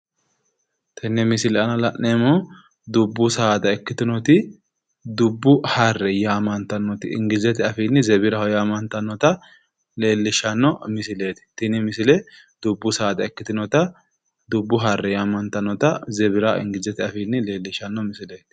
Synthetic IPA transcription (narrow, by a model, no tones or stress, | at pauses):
t̪ʰɪnːɛmɪsɪlɛʔɐnɐlɐʔnemo | d̪ʊbːʊsaːd̪ɐɛkːɪt̪ɪnɔt̪ɪ | d̪ʊbːʊhɐrːɛjaːmɐnt̪ɐnːɔt̪ɪɪ̰ŋɡɪzɛt̪ɪɐfinːɪzɛβɪɾɐjaːmɐnt̪ɐnːɔt̪ɐ | le̞ːlːɪʃɐnːɔmɪsɪle̞ːt̪ɪ̥t̪ɪnɪmɪsɪlɛ | d̪̥ʊbːʊsaːd̪ɐɛkːɪt̪ɪnɔt̪ɐ | d̪ʊbːʊɦɐrːɛjaːmɐnt̪ɐnːɔt̪ɐzɛβɪɾaɪ̰ŋɡɪzɛt̪ɪɐfinːɪle̞ːlːɪʃɐnːɔmɪsɪleːt̪ɪ̥